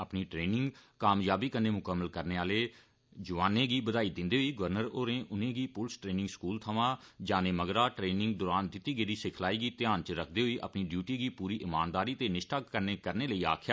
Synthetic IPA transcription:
əpniːʈɾeːnɪ̃ŋɡkaːmjaːbiːkənːeːmʊkəmːəlkəɾneːaːleː | d͡ʒəʋaːnẽːɡiːbəd̪aːiːd̪ɪ̃nd̪eːɦoiːɡʊʋəɾnəɾoːɾẽːʔʊnẽːɡiːpʊlsʈɾeːnɪ̃ŋɡskuːlt̪ʰəʋãː | d͡ʒaːnẽːməɡɾaːʈɾeːnɪ̃ŋɡd̪ɔːɾaːnd̪ɪt̪ːiːɡəːɾiːsɪkʰlaːiːɡiːt̪ɪjaːnt͡ʃəɾəkʰd̪eːɦoiːʔə̰pniːɖjuːʈiːɡiːpuːɾiːʔɪmaːnd̪aːɾiːt̪eːnɪʃʈʰaːkəɾneːkəɾneːləiːa̰ːkʰjaː

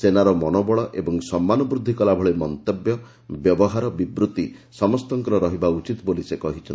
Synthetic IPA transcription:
senaɾɔmɔnɔbɔɭɔʔebɔŋsɔmːanɔbɾud̪ʱːikɔlabʱɔɭemɔnt̪ebjɔ | bjɔbɔɦaɾɔbibɾut̪isɔmɔst̪ɔŋkɔɾɔɾɔɦibaut͡ʃit̪bolisekɔɦit͡ʃʰɔn

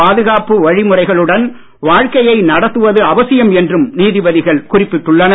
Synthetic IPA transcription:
aːðɯɣaːpɯʋɐɻɪmɯrɐɪɣɐɭɯɽɐn | ʋaːɻkɐjɐɪnɐɽɐt̪ːɯʋɐðɯɐʋɐsɪjɐmɛndrɯmniːðɪbɐðɪɣɐɭkʊrɪpːɪʈːɯɭːɐnɐ

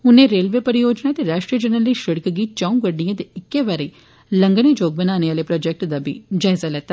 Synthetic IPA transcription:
ʊnẽːɾeːlʋeːpəɾɪjoːd͡ʒnaːt̪eɾaːʃʈɾijəd͡ʒənəliʃəɽkɡiːt͡ʃãːũɡəɽɳijãːt̪eɪkːeːʋaːɾəiː | lə̃ŋɡəɽid͡ʒoːɡ̚bənaːneːʋaːleːpɾɔːd͡ʒɛk̚ʈd̪aːbḭːd͡ʒaːzalɛːt̪ːa

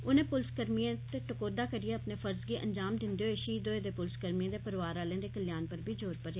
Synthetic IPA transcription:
ʊnẽːpʊlskəɾmiãt̪eːʈəkoːd̪aːkəɾijeːəpneːfʰəɾzɡiːʔənd͡ʒaːmd̪ɪnd̪eːɦoːeːʃiːd̪oːẽd̪eːpʊlskəɾmiãːd̪eːpəɾʋaːɾaːlẽːd̪eːkəljaːnpəɾbʱiːd͡ʒoːɾpəɾe

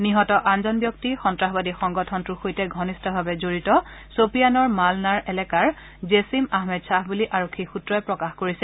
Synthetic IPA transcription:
niɦɔtɔʔanzɔnbjɔk̚tixɔntɹaɦbadixɔŋɡɔtʰɔntuxojtɛɡʱɔnistɔbʱabɛzoɹitɔ | sopijanɔɹmalnaɹɛlɛkaɹ | zesimaɦmɛdsaɦbuliʔaɹokʰːixutɹɔɛpɹɔkaxkoɹisɛ

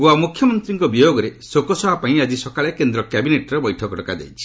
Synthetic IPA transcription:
amukʰjɔmɔnt̪ɾiŋkɔbijoɡɔɾesokɔsɔbʱapãĩad͡ʒisɔkaɭekend̪ɾɔkɛbineʈɔɾebɔjʈʰɔkɔʈɔkad̪ḛjt͡ʃʰi̥

